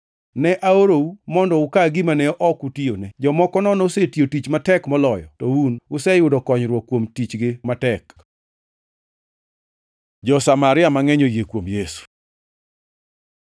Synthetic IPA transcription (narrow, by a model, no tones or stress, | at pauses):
nɛʔaoɾoumɔndɔʊkaɡɪmanɛɔʔɔkutionɛd͡ʒɔmɔkɔnɔnɔsetjotit͡ʃmatɛkmɔlɔjɔ̰tɔunʊsɛjʊdɔkɔɲɾwɔkːwomtit͡ʃɡɪmatɛk | d͡ʒɔsamaɾɪamaŋɛɲojekwomjesu̥